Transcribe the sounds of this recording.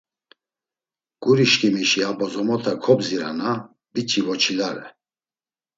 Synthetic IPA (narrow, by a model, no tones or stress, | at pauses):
ɡ̥uɾiʃkimiʃiabɔzɔmɔt̪ʰakʰɔbziɾa̰na | bit͡ʃʰivɔt͡ʃʰilaɾɛ̰